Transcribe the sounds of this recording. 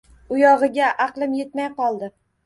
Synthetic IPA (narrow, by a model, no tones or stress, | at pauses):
ʊjɒʁɨɡʲaʔɑqlˠɪmje̞t̪majqɒlˠd̪ɪ